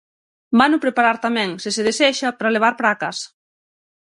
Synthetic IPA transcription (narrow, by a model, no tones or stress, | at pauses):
banʊpɾepaɾaɾt̪amɛ̃ŋseseðesɛʃapɾaleβ̞aɾpɾakas